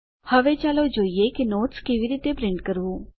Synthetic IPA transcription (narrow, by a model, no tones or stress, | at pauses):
hɐʋet͡ʃaːlod͡ʒoːiekinoːʈskeʋiɾiːt̪epɾɪ̃ɳɖkəɾuː